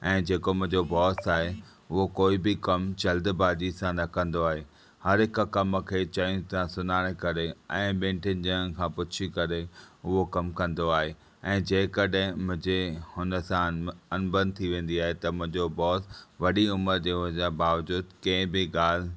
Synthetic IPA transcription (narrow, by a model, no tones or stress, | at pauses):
ɛ̃ːd͡ʑeːkomʊ̃ɦɪ̃ɲd͡ʑobɔːsaːɦe | ʊɦokoːibɪkɐmt͡ɕɐld̪baːd͡ʑisãnɐkɐ̃nd̪oaːɦeː | hɐɾɦɪk̆kɐmkʰeːt͡ɕɐ̃t̪ãsʊnaːɽ̃kɐɾeɛ̃ːɓẽːɳʈɪənɪ̆d͡ʑɪə̃ñ̆kʰãːpʊt͡ɕʰikɐɾeʊɦokɐmkɐ̃nd̪oaːɦe | ɛ̃ːd͡ʑeːɪ̃kɐɗɦɪ̃mʊ̃ɦɪ̃d͡ʑehʊnəsãɐnbə̃nd̪̚t̪ʰiʋẽːn̆d̪iaːɦet̪ɐmʊ̃ɦɪ̃ɲd͡ʑobɔːsʋɐɗiʊməɾd͡ʑeːʊɦd͡ʑabaːʋd͡ʑuːd̪kɐ̃ɦɪ̃bɪɠaːl̤